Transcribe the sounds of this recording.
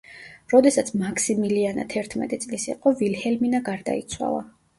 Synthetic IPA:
ɾɔd̪ɛsat̪sʰmakʰsimiliana̰t̪ʰɛɾt̪ʰmɛ̰t̪ʼit̪sʼlisḭqʼɔvilhɛlminaɡaɾd̪a̰it̪sʰwa̰lˠa̰

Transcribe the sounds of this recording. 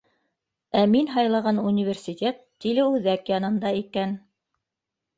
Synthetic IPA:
æminɦɑjlˠɑʁɑnunʲivʲersʲit̪ʲet̪ːilɘʉðækjɑnɤ̆nd̪ɑikæn

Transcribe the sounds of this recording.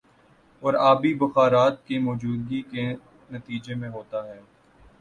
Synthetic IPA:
ɔːɾaːbibʊxaːɾaːt̪kemɔːd͡ʒuːd̪̚ɡike | nɐt̪iːd͡ʒemẽɦoːt̪aɦɛː

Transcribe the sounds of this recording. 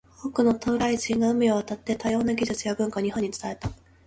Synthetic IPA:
o̞ːkɯ̟no̞t̪ʰoɾaiʑĩŋɡaɯ̟mʲioβat̪at̪ːe̞t̪ajo̞ːnaɡʲiʑɨt͡sɨjabɯ̟̃ŋkaɲ̟iɦõ̞ɲ̟ːit͡sɨ̥t̪ae̞t̪a

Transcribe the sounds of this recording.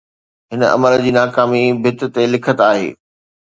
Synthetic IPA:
ɦɪnɐ̰məɾd͡ʑiːnaːkaːmibʱɪt̪t̪elɪkʰət̪aːɦḛː

